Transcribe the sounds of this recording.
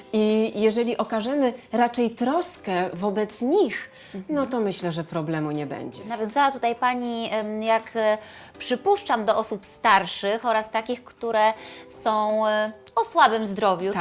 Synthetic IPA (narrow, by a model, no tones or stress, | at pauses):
ijɛʐɛlʲiʔɔkaʐɛmɘɾat͡ʂɛjt̪ɾɔskɛvɔbɛt̪sɲix | nɔt̪ɔmɘɕlɛʐɛpɾɔblɛmuɲɛbɛ̰ɲd͡ʑɛnavʲjɔ̃nzawat̪ut̪ajpaɲijak | pʂɘpuʂt͡ʂamd̪ɔʔɔsupst̪aɾʂɘxɔɾast̪akʲixkt̪uɾɛsɔ̃w̃ɔswabɛmzd̪ɾɔvʲju